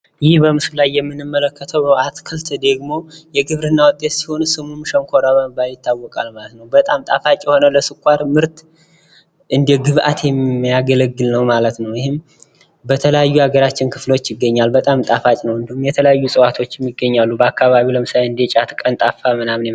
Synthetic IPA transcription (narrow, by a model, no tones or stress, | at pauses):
jɪhbəmɨsulajːɛmːɨnːɨmːələkːət̪ʰəwat̪kʰɨlt̪ʰd̪əɡmo̞jɛɡɨβɾɨnːawɔt̪ʼːet̪si̥ho̞nsɨmumʃəŋkʰo̞ɾaβəmbajjɪt̪ːawːɔkʼalmalət̪nəwbət̪ʼamt̪ʼafat͡ʃʼːjɛho̞nələsɨkʰʷʼːaɾmɨɾt̪ | ʔɨnd̪eɡɨβʔa̰t̪ʰjɛmjaɡələɡːɨlnəwmalət̪nəwjɪhɪm | bət̪ʰələjajːuhaɡəɾat͡ʃːɪnkʰɨflo̞t͡ʃːjɪɡːəɲːalbət̪ʼamt̪ʼafat͡ʃʼnəwɨnd̪ɨhumjɛt̪ʰələjajːusʼɨwat̪ʰo̞t͡ʃːjɛmːiɡːəɲːalːubəakːaβaβiləmɨsajɨnd̪et͡ʃʼat̪kʼənt̪ʼafːamɨnamne